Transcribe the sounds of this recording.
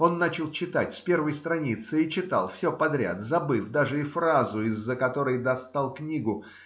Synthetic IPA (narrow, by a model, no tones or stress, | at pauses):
o̞nːat͡ɕɪlˠt͡ɕɪt̪atʲspʲe̞rvəjst̪ɾɐnʲit̪sɨit͡ɕɪt̪ɑ̰lˠfsʲɵpɐd̪ɾʲa̰t̪zɐbɨfd̪aʐɨɪfɾazʊɪzːəkɐt̪o̞ɾəjd̪ɐst̪alˠknʲiɡʊ